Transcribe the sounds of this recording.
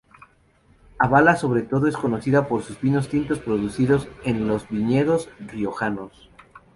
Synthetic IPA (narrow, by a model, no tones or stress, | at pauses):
aβalaso̞βɾe̞t̪o̞ðo̞e̞sko̞no̞siðapo̞ɾsuzβino̞st̪int̪o̞spɾo̞ðusiðo̞se̞nlo̞zβiɲeðo̞srio̞xanos